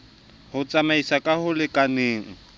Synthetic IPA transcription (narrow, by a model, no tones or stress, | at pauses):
hʊt͡sʼamaisakʼahʊlɪkʼaneːŋ̩